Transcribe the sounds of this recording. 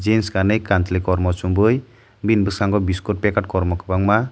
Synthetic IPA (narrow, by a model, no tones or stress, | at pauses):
d͡ʒenskanɯjkantlikɔɾmɔsumbɯj | binbɯsaŋɡɔbiskoʈ̚pɛkaʈ̚kɔɾmɔkʰɯbaŋma